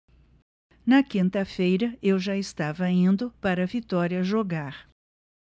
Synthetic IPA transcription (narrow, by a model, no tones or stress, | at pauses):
nɐkĩnt̪ɐfejɾɐewʒaɪst̪avɐĩnd̪ʊpaɾɐvit̪ɔɾiɐʒoɡaɾ